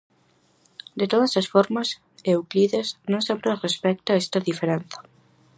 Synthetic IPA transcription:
d̪et̪oðɐsasfoɾmas | ewkliðeznõŋsempɾerespɛk̚t̪aɛst̪ɐðifeɾen̟θḁ

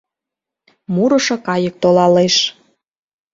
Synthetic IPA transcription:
muɾɤ̆ʃɤ̆kɑjə̆k̚t̪olɑleʃ

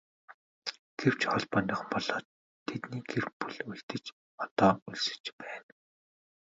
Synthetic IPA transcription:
ɡ̥ew̥t͡ɕɔɮpɔnʲiːχ̆mpɔɮ̥ɔːt̪ʰː | et̪niːɡerpuɮujɬt̪ɘ̆t͡ɕ | ɔt̪ɔːuɮsɘ̥̆t͡ɕpæːn

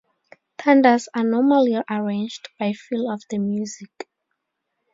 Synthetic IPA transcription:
tʰãndə˞zanɔmaliəɹẽnd͡ʒdb̥ajfilɔvðəmjuzik

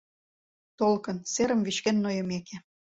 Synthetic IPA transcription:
t̪olkɤ̆nseɾəmviʃkenːojə̆meke

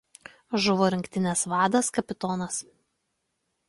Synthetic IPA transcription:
ʒʊʋoːɾʲɪŋʲkʲt̪ʲɪnʲɛsʋɑːd̪ɐskɐpʲɪt̪ɔːnɐs

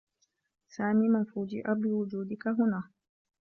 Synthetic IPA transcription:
saːmiːmanfuːd͡ʒɪ̰ʔabɪwʊd͡ʒuːd̪ɪkaɦʊnaː

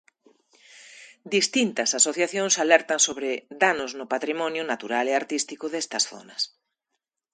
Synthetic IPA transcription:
d̪ist̪int̪ɐsasoθjaθjoŋsalɛɾt̪ɐŋsoβɾɪd̪anoznʊpat̪ɾimɔnjʊnat̪uɾaleaɾt̪ist̪ikʊðɛst̪ɐsθɔ̰nɐs

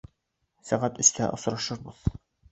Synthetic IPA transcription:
sæʁæt̪ɵ̆st̪æ̰ʔŏsɾɑʃɤɾbɤð̥

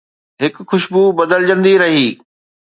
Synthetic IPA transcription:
ɦɪkxʊʃbubɐd̪əld͡ʑə̃nd̪iɾɐɦiː

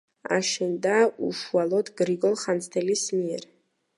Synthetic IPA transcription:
a̰ʃɛnd̪auʃwalod̪ɡɾiɡɔlˠχant͡sʰt̪ʰɛlismiɛr

